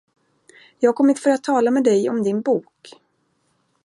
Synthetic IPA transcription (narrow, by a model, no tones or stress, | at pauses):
jɑːɡ̚kʰɔmːɪt̪fœɾat̪ʰːɑːlamɛd̪ɛjɔmd̪ɪnbuːk